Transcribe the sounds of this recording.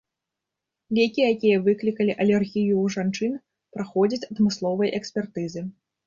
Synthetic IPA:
vʲekʲijakʲijɐvɨklʲikɐlʲiʔɐlʲɛrɣʲijuːʐant͡ʂɨn | pɾaxɔd͡zʲɐt͡sʲɐd̪mɨslˠɔvɐjʔɛksʲpʲɛrt̪ɨzɨ

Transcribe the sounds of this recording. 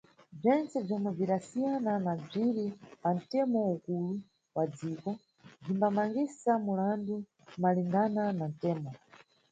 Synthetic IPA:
b͡ʐɛnt͡sɛb͡ʐɔmwɛb͡ʐiɗasijananab͡ʐiɾipan̩tɛmɔukulu | wad͡ziːkɔ | b͡ʐimbamaŋɡisamulandu | maliŋɡananan̩tɛːmɔ

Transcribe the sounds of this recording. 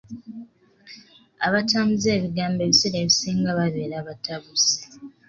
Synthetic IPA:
a̰βatamuzeːβiɡaːmbe̞βiseɾeβisiːŋɡaβaβeːɾaβataβuzi̥

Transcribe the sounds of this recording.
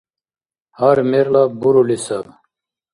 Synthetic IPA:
haɾmeɾlabuɾulisab

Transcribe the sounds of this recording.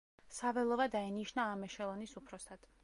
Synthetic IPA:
savɛlˠɔvad̪ainiʃnaːmɛʃɛlˠɔnisupʰɾɔsʰad̪̥

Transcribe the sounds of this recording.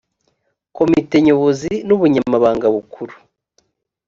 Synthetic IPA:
ko̞mite̞ɲo̞βo̞zinuβuɲamaβaːŋɡaβukʰuɾu̥

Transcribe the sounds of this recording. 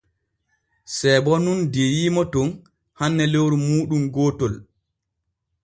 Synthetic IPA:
sɛbɔnundejiːmɔtɔn | hanːɛlewɾumuːɗumɡɔːtɔl

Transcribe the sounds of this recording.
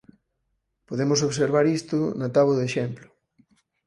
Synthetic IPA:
poðemʊs̬oβseɾβaɾist̪ʊnat̪aβoðeʃemplʊ̥

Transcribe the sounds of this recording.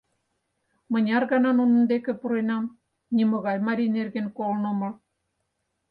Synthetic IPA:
mə̆nʲɑrɣɑnɑnunə̆nd̪ekĕpuɾenɑm | nʲimɤ̆ɣɑjmɑɾʲinerɣĕnkolnŏmɤ̆

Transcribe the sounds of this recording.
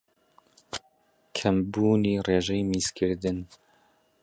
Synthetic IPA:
kʰɐmbuːniːreːʒɛjmiːskʰɨɾd̪ɨn

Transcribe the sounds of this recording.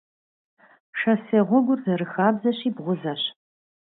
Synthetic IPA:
ʂɐseːʁʷɔɡʷʊrzɐɾɨxaːbzɐɕiːbʁʷʊzɐɕ

